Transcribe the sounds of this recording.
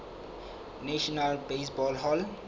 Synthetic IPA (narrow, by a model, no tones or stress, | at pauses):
neʃənalbeːsbɔːlɦɔːl